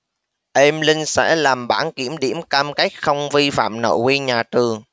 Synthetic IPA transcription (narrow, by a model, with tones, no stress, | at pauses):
ʔe˧mlï˧ŋ̟sɛ̰˧˥laː˨˩mɓaː˧˩nki˧˩əmɗi˧˩əmkaː˧mka˦˥jk̚xə˧wŋ͡mvi˧fa̰ː˧˨mno̰˧˨wi˧ɲaː˨˩t̪ɨ˨˩əŋ